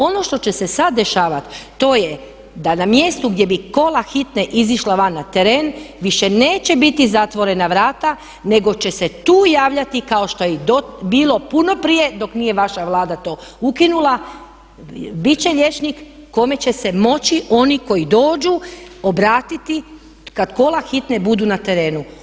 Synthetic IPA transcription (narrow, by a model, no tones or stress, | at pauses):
o̞no̞ʃt̪o̞t͡ɕe̞se̞sad̪dːe̞ʃaːʋat̪ː | o̞ːje | d̪anamje̞st̪uɡd̪je̞biko̞laxit̪neʔiziʃlaʋanːat̪eɾeːnʋiʃe̞neːt͡ɕe̞bit̪izat̪ʋo̞ɾe̞naʋɾaːt̪a | ne̞ɡo̞t͡ɕe̞se̞t̪uːjaːʋʎʲat̪ikao̞ʃt̪o̞jeɛd̪obiːlˠo̞puno̞pɾije̞d̪o̞knije̞ʋaʃaʋlˠaːd̪at̪o̞ːukinulˠa | bit͡ɕe̞ʎʲe̞t͡ʃnikːo̞me̞t͡ɕe̞se̞mo̞t͡ɕiʔo̞niko̞jid̪o̞ːd͡ʒuo̞bɾaːt̪it̪i | kad̪ko̞laxit̪nebud̪unat̪e̞ɾe̞ːnu